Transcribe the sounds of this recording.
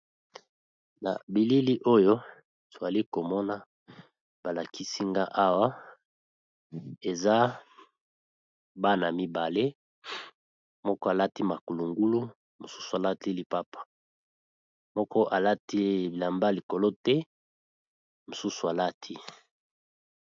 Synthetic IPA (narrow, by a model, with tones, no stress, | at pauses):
na̰˨bi˨li˦li˦ʔo˦jo˦ | tu˨a˨li˦ko˨mɔ˦na˦ | b̥a˨la˨ki˦si˦ŋɡa˦ʔa˦wa˦ | e˨za˦ | ba˦na˨mi˦ba˨le˦ | mɔ˦kɔ˦a˨la˦ti˦ma˨ku˨lu˨ŋɡu˦lu˦ | mo˨su̥˦su˨a˨la˦ti˦li˦pa˦pḁ˨ | mɔ˦kɔ˦ʔa˨la˦ti˦i˨la˨mba˦li˨ko˨lo˦tɛ˦ | mo˨su˦su˨a˨la˦tʰi˦